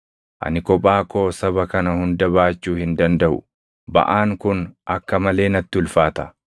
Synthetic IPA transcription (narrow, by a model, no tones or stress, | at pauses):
ʔɐ̰nɪkɔpʼːaːkoːsɐβɐkɐnɐhʊnd̪ɐβaːt͡ʃːuːhɪnd̪ɐnd̪ɐʔʊ̰ | bɐ̰ʔaːŋkʊnʔɐkːɐmɐle̞ːnɐt̪ːɪʊlfaːt̪ɐ